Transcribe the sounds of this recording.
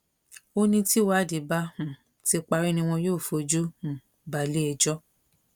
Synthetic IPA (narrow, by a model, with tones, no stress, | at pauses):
o˦nĩ˧ti˦wa˦˨di˨ba˦hũ˨ | ti˦k͡pa˧ɾi˦nĩ˧w̃ɔ̃˧joː˦˨fo˧d͡ʒu˦hũ˨ | ba˨li˦ɛ˧d͡ʒɔ˦